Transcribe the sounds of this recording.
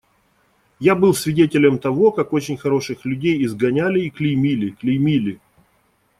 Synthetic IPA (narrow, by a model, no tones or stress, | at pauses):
jabɨlˠsʲvʲɪdʲetʲɪlʲəmt̪ɐvo̞kako̞t͡ɕɪnʲxɐɾo̞ʂɨxlʲʉdʲejɪzɡɐnʲælʲɪːklʲɪjmʲilʲɪklʲɪjmʲilʲɪ